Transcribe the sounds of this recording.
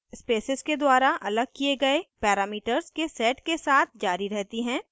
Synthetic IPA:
speːsɪzked̪waːɾaʔɐləɡ̚kieɡɐepɛːɾaːmiːʈəɾzkesɛːʈkesaːt̪̚ʰd͡ʒaːɾiɾɛɦt̪iɦɛ̃ː

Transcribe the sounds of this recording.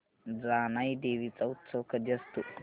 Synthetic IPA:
d͡zaːnajɖeːʋit͡saut̪sowkʰɐd̪ɐst̪u

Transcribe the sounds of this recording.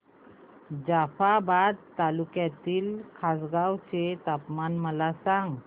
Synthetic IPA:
d͡ʑafabad̪t̪alukjat̪iːlkʰasɡawt͡set̪apmanməlasaŋɡ

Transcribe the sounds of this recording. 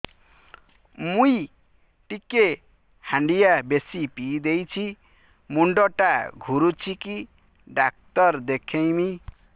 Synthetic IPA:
muj | ʈikːe | hãɳɖijabesipid̪ejt͡sʰi | muɳɖʌʈaɡʱuɾut͡siki | ɖak̚t̪ʌrd̪ekʰejmi

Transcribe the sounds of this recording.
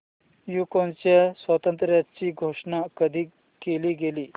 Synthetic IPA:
jukont͡ɕasʋət̪ə̃nt̪ɾjatt͡ɕiːɡʱoʂɳakəd̪ʱiː | keliːɡeliː

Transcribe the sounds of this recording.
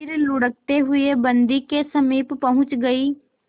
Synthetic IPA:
ɾlʊɽək̚t̪eɦʊeːbənd̪iːkesəmiːppəɦʊ̃t͡ʃɡəiː

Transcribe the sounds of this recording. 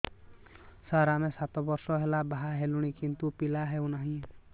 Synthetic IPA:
saɾamesat̪ɔbɔɾsɔɦelabaɦaɦeluɽ̃ikint̪upilaɦewnaɦĩ

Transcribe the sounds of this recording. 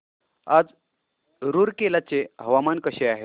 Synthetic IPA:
ad͡z | ɾuːɾkelat͡seɦəʋamankəɕeaɦe

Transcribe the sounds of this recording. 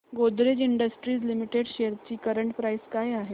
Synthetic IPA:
ɡod̪ɾed͡ʑiɳɖəsʈɾiːslimiʈeɽɕeɾt͡ɕiːkəɾəɳʈpɾaijskajaɦe

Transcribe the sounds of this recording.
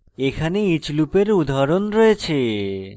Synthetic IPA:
ekʰaneit͡ɕlupeɾud̪ʱaɾonɾɔet͡ɕʰe

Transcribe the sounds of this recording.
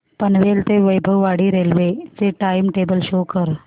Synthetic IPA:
pənʋelt̪eʋəjbʱəʋʋaɽiɾeːlʋet͡seʈajmʈeːbəlʃokəɾ

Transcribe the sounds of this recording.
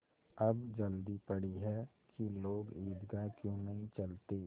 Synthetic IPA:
ɐbd͡ʒɐld̪ipɐɽiɦɛ | kiloːɡiːd̪ɡakjõːnɐɦĩt͡ʃɐlt̪eː

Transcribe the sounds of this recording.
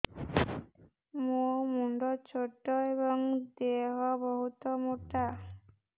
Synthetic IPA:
momuɳɖɔt͡ʃʰoʈːɔebɔŋd̪eɦɔbɔɦut̪ɔmoʈa

